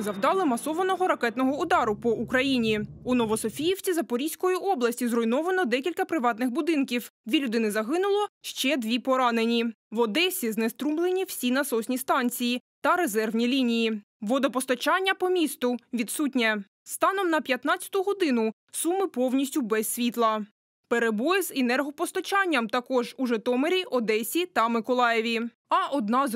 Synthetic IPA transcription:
zɐwd̪ɑlˠɪmɐsɔʋɐnɔɦɔɾɐkɛt̪nɔɦɔud̪ɑɾʊpɔʔukɾɐjinʲiunɔʋɔsɔfʲijiwt͡sʲizɐpɔɾʲisʲkɔjiʔɔblˠɐsʲtʲizrɔjnɔʋɐnɔd̪ɛkʲilʲkɐpɾɪʋɑt̪nɪxbʊd̪ɪnkʲiwd̪ʲʋʲilʲʊd̪ɪnɪzɐɦɪnʊlˠɔʃt͡ʃɛd̪ʋʲipɔɾɑnenʲi | ʋɔd̪ɛsʲiznest̪ɾumlˠenʲiw̥sʲinɐsɔsʲnʲist̪ɑnʲt͡sʲijit̪ɐɾezɛrʋnʲilʲinʲiji | ʋɔd̪ɔpɔst̪ɐt͡ʃɑnʲːɐpɔmʲist̪ʊʋʲit̪sutʲnʲɛ | st̪ɑnɔmnɐpʲjɐt̪nɑt͡sʲɐ̥t̪ʊɦɔd̪ɪnʊ | sumɪpɔwnʲisʲtʲʊbɛsʲsʲʋʲit̪lˠɐ | peɾebɔjɪzenɛrɦɔpɔst̪ɔt͡ʃɑnʲːɐmt̪ɐkɔʒuʒɛt̪ɔmeɾʲiʔɔd̪ɛsʲit̪ɐmɪkɔlˠɑjɛʋʲi | ɐʔɔd̪nɑz

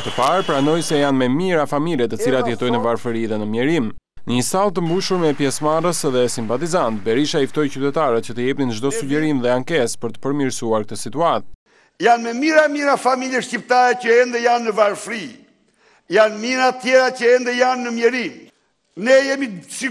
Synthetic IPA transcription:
t̪əpaɾpɾanɔjsɛjanmɛmiɾafamiljɛt̪ət͡silat̪əjɛt̪ɔjnəvaɾfɾiðɛnəmjɛɾim | nəɲəst̪alˠt̪əmbuʃuɾmɛpjɛsmarəsðɛsimpat̪izant̪̚bɛɾiʃaift̪ɔjcyt̪ɛt̪aɾət̪cət̪əjɛpninʒd̪ɔsuɟɛɾinðɛaŋkɛspəɾt̪ə̥pəɾmiɾsuaɾk̚t̪əsit̪uat̪̚ | janmɛmiɾamiɾafamiljɛʃcip̚t̪aɾɛcəɛnd̪ɛjanːəvaɾfɾi | janmiɾat̪jɛɾacəɛnd̪ɛjanːəmjɛɾim | nɛjɛmisi

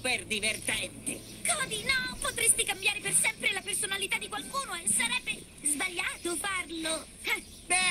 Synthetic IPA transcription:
perd̪ivert̪ɛnt̪e | kɔd̪inɔpot̪ɾest̪ikambjaːɾepersɛmpɾelapersonalit̪ad̪ːikwalkuːnoesaɾɛbːe | zbaʎːaːt̪ofarlo | ɛ | bɛ

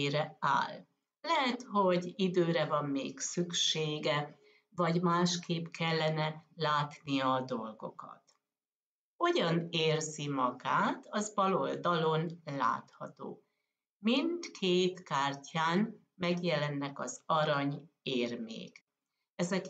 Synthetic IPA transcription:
ɾɛa̰ːl | lɛɦɛt̪ho̞ɟid̪øːɾɛvɒmːeːksykʃeːɡɛ | vɒɟmaːʃkʰeːpkʰɛlːɛnɛlaːt̪nijɒːd̪o̞lɡo̞̰kɒ̰t̪ | o̞ɟɒneːrzimɒɡaːt̪ɒzbɒlo̞ld̪ɒlo̞nla̰ːt̪hɒt̪o̰ː | mind̪kʰeːt̪kaːrcʰaːn | mɛɡjɛlɛnːɛkɒzɒɾɒɲeːrmḛːk | ɛzɛk

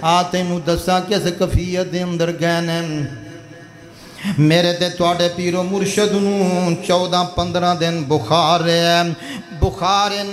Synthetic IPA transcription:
aːt̪ẽːnũːd̪əsãːkɪskəpʰiːəd̪eːə̃nd̪əɾɡɛːneː | meːɾeːt̪eːt̪ʊaːɖeːpiːɾoːmʊɾʃəd̪nũːt͡ʃɔːd̪ãːpənd̪ɾãːd̪ɪnbʊxʰaːɾeːɛː | bʊxʰaːɾe

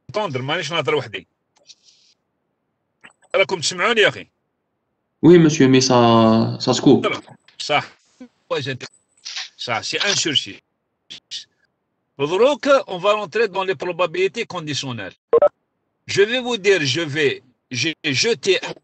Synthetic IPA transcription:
t̪ɑ̃d̪ɾmaniʃ̬nəd̪ˤəɾwaħd̪ḭ | ɾˤɑkʊmt̪əsmaʕunjæxḭ | wiməsjəmisɑsɑskupɾ | sˤɑħ | wæzænt̪ | sˤɑħseʔæ̃nsyɾsi | s | fəd̪ˤɾukəʔɔ̃vaɾɑ̃t̪ɾed̪ɑ̃lepɾobabilit̪ekɔ̃d̪isjonɛ̰l | ʒəvəvud̪iɾʒəve | ʒʒət̪eʔ

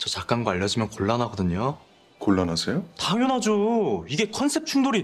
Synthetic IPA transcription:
t͡ɕʌt͡ɕak͈anɡʌaʎːʌd͡ʑimjʌnkoɭːanɦaɡʌdɯɲo | koɭːanasʰejotaŋonɦad͡ʑoiɡe̞kʰʌnsʰe̞p̚t͡ɕʰuŋdoɾi

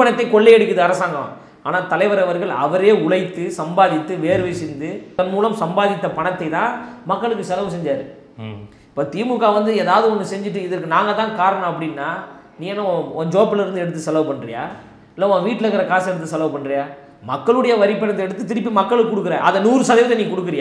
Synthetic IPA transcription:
pɐɳɐt̪ːɐɪkɔɭːɛɛɽɯkʲːɐðɯɐɾɐsaːŋɡɐʋã̰ː | aːnaːt̪ɐlɐɪʋɐɾɐʋɐɾɣɐɭɐ̰ʋɐɾeːʊɭɐɪt̪ːɯsɐmbaːðɪt̪ːɯʋeːɾɯʋɪsɪnd̪ɯɐnmuːlɐmsɐmbaːðɪt̪ːɐpɐɳɐt̪ːɐɪt̪ãːmɐkːɐɭɯkːɯsɛloːʋsɛɲd͡ʒaːɾɯ | ɪpːoːt̪iːmɯkːaːʋɐnd̪ɯɛːðaːʋɐðɯɔnːɯsɛɲd͡ʒɪʈ̬ːɯɪðɐɾkːɯnaːŋɡɐt̪ãːkaːɾɐɳɔ̃ɐpːɐɽɪnːaː | niːŋɛnːaɔnd͡ʒoːpːɪlɐɪɾɯnd̪ɯɛɽɯt̪ːɯsɛloːpɐɳːrɪ̰ja̰ː | ɪlːɐɐnʋiːʈːɪlɐkɐɾɐkaːsɛɽɯt̪̬ːɯsɛloːpɐɳːɾɪjaː | mɐkːɐɭɯɽɐjɐʋɐɾɪpːɐnɐt̪ːɛɽɯt̪ːɯt̪ɪɾɪpːimɐkːɐɭɯkɯkʊɽɯkːɯɾeːɐðɐnuːɾɯsɐðɐɪʋt̪ːɐniːkʊɽɯkːɯɾɪjaː

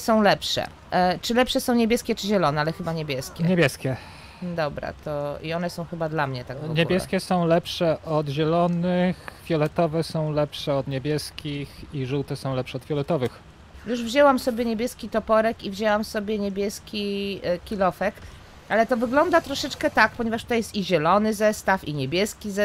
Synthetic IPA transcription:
sɔ̃w̃lɛpʂɛ̰ | t͡ʂɘlɛpʂɛsɔ̃w̃ɲebʲjɛskʲɛt͡ʂɘʑɛlɔnɛalɛxɘbaɲebʲjɛskʲɛɲebʲjɛskʲɛ | d̪ɔbɾa̰t̪ɔḭɔnɛsɔ̃w̃xɘbad̪lamɲɛt̪aɡvɡɲeubʲjɛskʲɛsɔ̃w̃lɛpʂɛʔɔd̪ʑɛlɔnɘxvʲjɔlɛt̪ɔvɛsɔ̃w̃lɛpʂɛɔd̪ɲebʲjɛskʲixiʐuwt̪ɛsɔ̃w̃lɛpʂɛɔd̪̥vʲjɔlɛt̪ɔvɘx | juʐvʑɛwamsɔbʲjɛɲebʲjɛskʲit̪ɔpɔɾɛkivʑɛwamsɔbʲjɛɲebʲjɛskʲikʲilɔfɛk | ʔalɛt̪ɔvɘɡlɔnd̪at̪ɾɔʂɛt͡ʂkɛt̪ak̚pɔɲɛvaʂt̪u̥t̪ajɛst̪iʑɛlɔnɘzɛst̪afiɲebʲjɛskʲizɛ

